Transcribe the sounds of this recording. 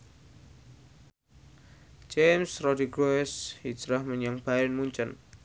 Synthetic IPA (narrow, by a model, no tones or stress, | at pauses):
d͡ʒemsrɔdiɡoɛshi̥d͡ʒɾahməɲaŋb̥aɾɛnmuɲt͡ʃən